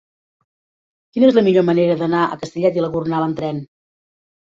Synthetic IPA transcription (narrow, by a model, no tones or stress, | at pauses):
kinəezləmiʎoməneɾəðənaə̰kəst̪əʎɛt̪iləɣurnalˠənt̪ɾɛn